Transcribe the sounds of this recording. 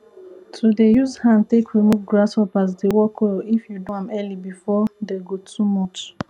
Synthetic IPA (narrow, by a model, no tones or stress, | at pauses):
tʰudejuzhãntekɹimuvɡɹashɔpazdewɔkʰwelifjudõãmɛlibifɔdeɡotʰumɔt͡ʃ